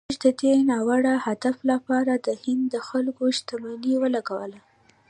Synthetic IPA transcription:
ʒd̪əd̪enɑwaɽahad̪aflapɑɾad̪əhɪnd̪ːəxalkoʃt̪amaniwəlaɡawə̰la

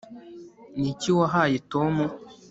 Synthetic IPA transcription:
niciwaɦajitomu

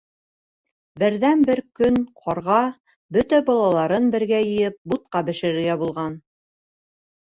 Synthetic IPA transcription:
bɘ̆ɾðænbɘɾkɵnqʰɑɾʁɑ | bɵt̪æbɑlˠɑlˠɑɾɤnbɘ̆ɾɡæjɘ̆jɘp̚but̪̚qɑbɘ̆ʃɘ̆ɾɘ̆ɾɡæbulˠʁɑn

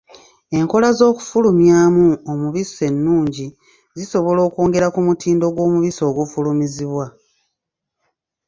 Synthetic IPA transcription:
e̞ŋko̞lazo̞ːku̥fulumjaːmuomuβise̞nːuːɲɟi | ziso̞βo̞lo̞ːko̞ːŋɡe̞ɾakumutiːndo̞ɡwo̞ːmuβiso̞ːɡufulumiziβwa

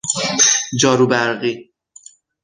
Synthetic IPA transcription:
d͡ʒɒːɾubæɾɣi

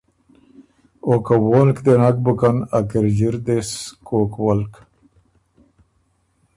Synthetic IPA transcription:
okawoːlkd̪enak̚bukanɐkiɾd͡ʑiɾd̪eskoːkwɐlk

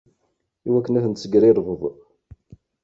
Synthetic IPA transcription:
iwækːənæθənt̪t͡sːəɡɾiɾˤvəðˤ

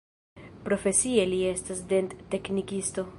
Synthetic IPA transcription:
pɾo̞fe̞sie̞lie̞stasde̞ntːe̞knikisto̞

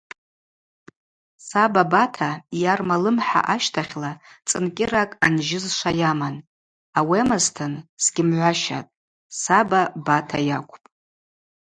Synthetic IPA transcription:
sababatʰajarmalɨmħa̰ʔaʃtʰaχʲlat͡sʼɨnkʲʼɪɾakʼanʒɪzʂʷajaman | awemaztʰɨnsɡʲɪmʕʷaʃa̰tʼ | sababatʰajakʷʰʼpʼ

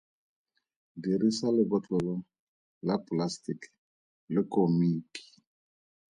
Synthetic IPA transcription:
diɾisalɪbɔt͡ɬʼɔlɔ | laplastik | lɪkʼomiːki̥

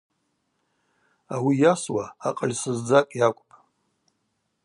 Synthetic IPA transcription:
awijaswaːqʼəlʲsɨzd͡zakʼjakʷʼpʼ

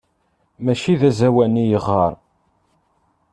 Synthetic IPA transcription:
mæʃiðæzæwænijəʁːɑɾˤ

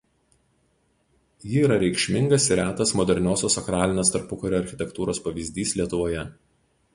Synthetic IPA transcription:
jɪːɾɐɾʲɛɪkʃʲmʲɪŋɡɐsɪɾʲæːt̪ɐsmɔd̪ʲɛɾʲnʲoːsʲoːsɐkɾɑːlʲɪnʲeːst̪ɐɾpʊkɐɾʲoːɐɾʲxʲɪt̪ʲɛkt̪uːɾoːspɐʋʲizʲd̪ʲiːslʲiɛt̪ʊʋoːjɛ

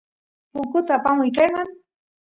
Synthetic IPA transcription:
pʊkʊt̪aːpamʊjkajɢɑŋ

